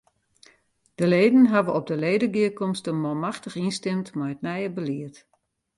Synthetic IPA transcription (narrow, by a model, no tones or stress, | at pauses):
d̥əleːdən̩ɦavəɔb̚dəleːdəɡiəkɔmstənmɔmaxtəxinstɪmtmɔjət̚nɛjəbəliət